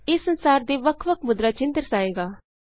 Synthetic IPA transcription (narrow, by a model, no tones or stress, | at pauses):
ɪsːənsaːɾd̪eːʋəkʰʋəkʰmʊd̪ɾat͡ʃɪ̃nd̪əɾsaːeːɡaː